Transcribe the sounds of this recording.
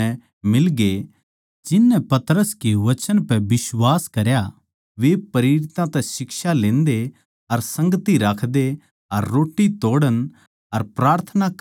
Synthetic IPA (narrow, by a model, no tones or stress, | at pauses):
ɛ | mɪlɡe | d͡ʒɪnːɛpɐt̪ɾəskeʋɐt͡ʃənpɛbɪswaːskɐɾja | ʋepɐɾɪɾɪt̪ãt̪ɛ̃sɪkʃalẽːnd̪e | ɐɾsɐ̃ŋɡət̪iɾaːkʰd̪e | ɐɾːoːʈːit̪oːɽən | ɐɾpɾaːɾt̪ʰənak